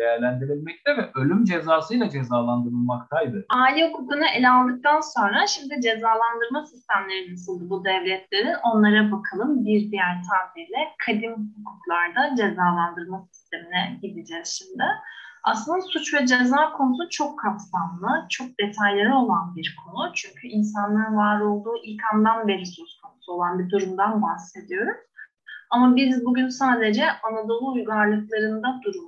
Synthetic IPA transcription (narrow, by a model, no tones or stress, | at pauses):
d̪ejæɾlʲænd̪iɾilʲmɛc̚t̪ʰɛvɛʔølʲymd͡ʒezaːsɯjlˠad͡ʒezaːlˠand̪ɯɾɯlˠmakt̪ʰajd̪ɯaːlʲiukʰukunɯʔelʲalˠd̪ɯk̚t̪ʰanso̞nɾaʃimd̪id͡ʒe̞zaːlˠand̪ɯɾmasist̪ʰæmlʲe̞ɾinasɯlˠd̪ɯbud̪ɛvlʲɛt̪ʰlʲe̞ɾino̞nlˠaɾabakʰalˠɯmbiɾd̪ijæɾt̪ʰaːmilʲɛkʰad̪inhukʰuklˠaɾd̪ad͡ʒe̞zaːlˠand̪ɯɾmasi̥st̪ʰe̞minɛɟilʲid͡ʒɛz̥ʃimd̪ɪaslˠɯnd̪asut͡ʃvɛd͡ʒezaːkʰo̞nusut͡ʃʰo̞kʰːapsamlˠɯt͡ʃʰo̞k̚d̪e̞t̪ʰajlʲˠaɾio̞lˠanbiɾkʰo̞nut͡ʃʰyɲcʰyʔinsanlˠaɾɯnvaːɾo̞lˠd̪uːʔilkʰand̪anbe̞ɾisøskʰo̞nusuo̞lˠanbid̪uɾumd̪anbahse̞d̪ijo̞ɾuz̥ | amabizbuɟynsaːd̪e̞d͡ʒɛanad̪o̞lˠuujɡaɾlˠɯklˠaɾɯnd̪ad̪uɾum